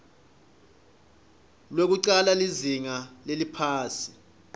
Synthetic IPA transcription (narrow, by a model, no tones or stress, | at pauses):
lwok̬uǀalaliziŋalelipʰaːsi̥